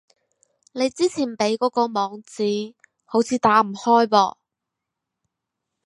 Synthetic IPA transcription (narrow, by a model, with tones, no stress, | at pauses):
ne˨˧jt͡siː˥t͡sʰiː˨˩npe˨˥jkɔː˨˥kɔː˧mɔː˨˧ŋt͡siː˨˧ | ho˨˥wt͡sʰiː˧t̪aː˨˥m̩˨˩hɔː˥jpɔ̰ː˧